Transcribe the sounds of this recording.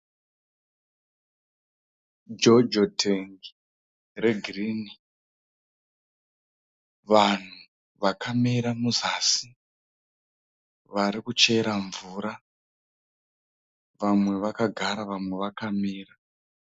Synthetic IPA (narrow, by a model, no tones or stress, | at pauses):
d͡ʒod͡ʒotʰeŋɡi | re̞ɡʱiriːni | ʋan̤u | ʋakamiɾamuzasi | ʋaɾikut͡ʃe̞ɾaɱvuɾa | ʋamwe̞ʋakaɡʱaɾaʋamwe̞ʋakamiːra